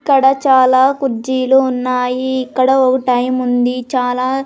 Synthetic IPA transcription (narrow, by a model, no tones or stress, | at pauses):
kːɐɽɐt͡ʃaːlaːkuɾd͡ʒiːluːnːaːjiːkːɐɽɐɔkɐʈɐjmund̪it͡ʃaːlaː